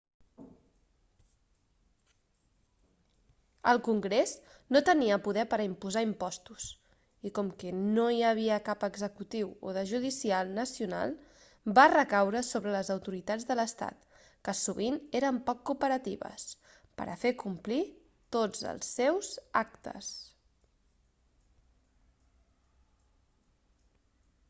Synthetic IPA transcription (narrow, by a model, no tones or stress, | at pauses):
əlˠkuŋɡɾeznot̪əniəpuðɛpəɾəimpuzaimpɔst̪us | ikɔmkɛnoiəβ̞iəkapəɡzəkut̪iwoðəʒuðisialˠnəsiuna̰lˠ | barəkawɾəsoβɾələzəwt̪uɾit̪ad͡zðələst̪a̰t̪ | kəsuβineɾəmpɔkːupəɾət̪iβə̰s | pə̰ɾʔə̰fekumpli | t̪od͡zə̰lˠsːɛwzak̚t̪ə̰s